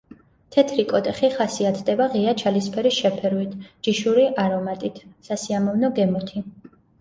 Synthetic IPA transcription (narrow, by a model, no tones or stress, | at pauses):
t̪ʰɛt̪ʰɾikʼɔt̪ʼɛχiχasiat̪ʰd̪ɛbaʁiat͡ʃʰalispʰɛɾisʃɛpʰɛɾwit̪ʰd͡ʒiʃuɾiʔaɾɔmat̪ʼit̪ʰsasiamɔvnɔɡɛmɔt̪ʰi